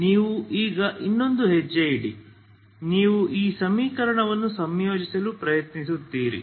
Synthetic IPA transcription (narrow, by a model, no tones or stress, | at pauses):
niːʋuʔiːɡɐʔinːo̞nd̪uɦed͡ʒːejiɽi | niːʋuʔiːsɐmiːkɐɾɐɳɐʋɐnːusɐmjoːd͡ʒisɐlupɾɐjɐt̪nisut̪ːiːɾḭ